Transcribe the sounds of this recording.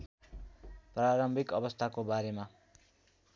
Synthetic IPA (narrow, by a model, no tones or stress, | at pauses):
praɾʌmbʱikʌbʌst̪ʰakobaɾema